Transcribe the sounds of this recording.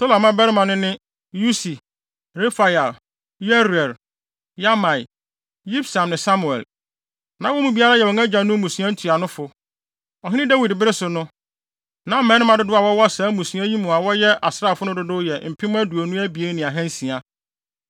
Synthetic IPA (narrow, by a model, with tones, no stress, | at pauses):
tʰo˦la˨mã˦bɛ˦ɾɪ˦mã˨nʊ̃˦nɪ̃˦ | ju˦si˨ | ɾe˦fa˨ja˨l | jɛ˦ɾɛ˨l | ja˦mã˨i˨ | li˦bsã˨mnɪ̃˨sa˦mu˨ɛ̰˨l | nã˨wɔ˦mũ˨bi˦a˦ɾa˦jɛ˨wɔ̃˨ŋa˦d͡ʑã˨nʊ̃˦mũ˨sũ˨˦ã˦n̩˦tʰu˨a˨nʊ̃˦fʊ˨ | ɔ˨ɦɪ̃˦nɪ̃˦da˦wi˨dbɪ˦ɾɪ˦sʊ˨nʊ̃˦ | nã˨˦m̩˦mɛ̃˦nɪ̃˦mã˨dʊ˦dʊ˦a˨wɔ˦wɔ˦a˦sãː˨˦mũ˨sũ˦ã˦ji˦mũ˨a˨wɔ˦jɛ˦ʔa˨sɾa˦˨fʊ˦nʊ̃˦dʊ˦dʊ˦jɛ˨m̩˨pʰɪ̃˦mʊ̃˦æ˦du˨o˨nũ˦æ˦bi˨e˦nɪ̃˨a˨ɦɛ̃˦n˦sĩ˨a˦